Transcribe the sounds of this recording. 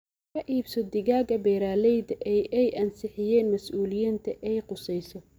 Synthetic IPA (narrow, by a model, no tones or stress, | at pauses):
kʰɐʔiːbsɔd̪ɪɣaːɣɐbɛːɾaːlɛjd̪ɐʔɛjɛjʔɐnsɪħɪjɛːnmɐsʔuːlɪjiːnt̪ʰɐʔɛjqʊsɛjsɔ